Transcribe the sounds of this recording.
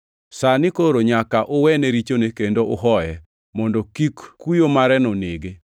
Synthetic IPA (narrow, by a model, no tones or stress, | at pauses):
sanɪkoɾoɲakaʔʊwɛneɾit͡ʃonekendoʔʊɦɔjɛ | mɔndɔkikkːujomaɾɛnɔneɡe